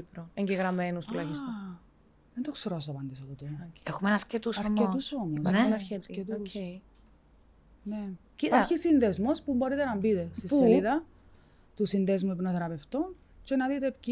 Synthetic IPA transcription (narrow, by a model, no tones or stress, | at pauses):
ipɾoeɲɟeɣɾɐmenust̪ulɐçist̪ | ment̪okseɾoɐs̬t̪oɐpɐnd̪isot̪ot̪oɾɐexumenɾcet̪usɐɾet̪usomosɐɾɾcet̪ue | ne | ɐçisinðezmospumbo̞ɾit̪e̞nɐmbit̪e̞st̪ispːueliðɐ | t̪usinðezmuipnoθeɾɐpe̞ft̪on | t͡ʃe̞nɐðit̪e̞pci